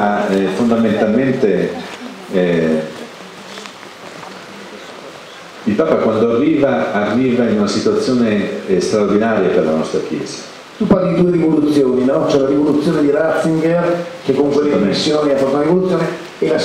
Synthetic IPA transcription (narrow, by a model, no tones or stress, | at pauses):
afond̪ament̪alment̪e | ilpaːpakwand̪oarːiːvaːrːiːvainunasit̪uat̪sːjoːnest̪ɾaord̪inaːɾjaperla̰nɔst̪ɾak̟jɛ̰ːz̥ḁ | t̪upaɾliid̪uːeɾivolut̪sːjoːninɔt͡ʃɛunaɾivolut̪sːjoːned̪iɾat̪siŋɡekekːouŋkweeoesːjoːniafɔunaɾivolut̪ːjoːne | ela